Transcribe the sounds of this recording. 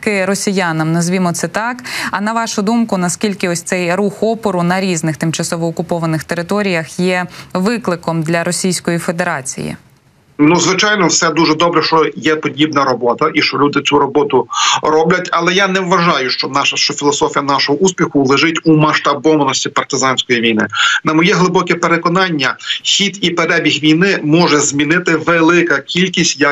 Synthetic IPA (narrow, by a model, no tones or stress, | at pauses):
kɪɾɔsʲijanɐmnɐzʲʋʲimɔt̪sɛt̪ɑkɐnɐʋɑʃʊd̪umkʊnɐskʲilʲkɪɔsʲt̪sɛjruxɔpɔɾʊnɐɾʲiznɪxt̪ɪmt͡ʃɐsɔʋɔːkʊpɔʋɐnɪxt̪eɾɪt̪ɔɾʲijɐxjɛʋɪklˠɪkɔmd̪lʲɐɾɔsʲijsʲkɔjife̞d̪eɾɑt͡sʲḭjḭ | nuzʋɪt͡ʃɑjnɔwsɛd̪uʒɛd̪ɔbɾɛʃt͡ʃɔjɛpɔdʲibnɐɾɔbɔt̪ɐʔiʃt͡ʃɔlʲud̪ɪt͡sʲuɾɔbɔt̪ʊrɔblʲɐtʲɐlˠɛjanɛʋʋɐʒɑjʊʃt͡ʃɔnɑʃɐʃt͡ʃɔfʲilˠɔsɔfʲijɐnɑʃɔɦɔʔuspʲixʊlˠɪʒɪtʲumɐʃt̪ɐbɔmnɔsʲtʲipɐrt̪ɪzɑnʲsʲkɔjiʋʲijnɪ̰nɐmɔjɛɦlˠɪbɔkɛpeɾekɔnɑnʲːɐxʲit̪ipeɾɛbʲixʋʲijnɪmɔʒɛzmʲinɪt̪ɪʋelˠɪkɐkʲilʲkʲisʲtʲjɐ